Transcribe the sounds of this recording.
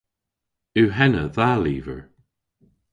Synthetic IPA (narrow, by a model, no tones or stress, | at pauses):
ʉːɦɛnəðaliːvə̰ɹ